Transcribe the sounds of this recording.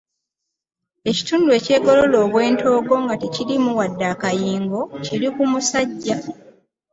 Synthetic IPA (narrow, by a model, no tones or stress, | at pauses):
e̞ci̥tuːndue̞ːce̞ːɡo̞lo̞loːβwe̞ːnto̞ːɡo̞ŋɡate̞cilimuwadːaːkajiːŋɡo̞ciɾikumusaɟːa